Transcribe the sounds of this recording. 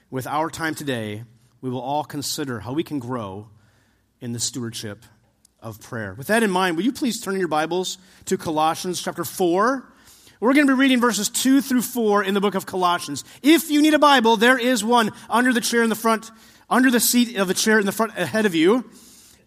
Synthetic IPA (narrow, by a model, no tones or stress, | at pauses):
wɨðaʊə˞tʰãɪ̃mtʰɨdeɪ | wiwəlˠɔlˠkʰnsɪɾə˞haʊwikʰn̩ɡɹoʊ | ɨ̃nðɨstʉə˞d̥ʃɪp | ʌ̰v̥pʰɹ̥ɛ̰ɹwɨðɨɾɨ̃nmãɪ̃nd̚wɨlˠjɨpʰl̥iz̥tʰɜ̃˞nɨ̃njə˞baɪbl̩ˠz̥ | tʰɨkʰəlɑʃɨ̃n̩z̥t͡ʃʰæp̚tə˞fɔɹ | wɪɹɡʌnəbiɹiɾɪ̃ŋvɜ˞s̬ɨz̥tʰʉθɹʉfɔɹɪ̃nðəbʊkʌv̥kʰəlɑʃɨ̃n̩z | ɪfjɨniɾɨbaɪbl̩ˠðə˞ɪzwʌ̃nʌ̃ndə˞ðɨt͡ʃʰɛɹɨnðəfɹʌ̃nt | ʌ̃ndə˞ðɨsiɾʌvðɨt͡ʃʰɛɹɨ̃nðɨfɹʌ̃ntɨhɛɾʌvjʉ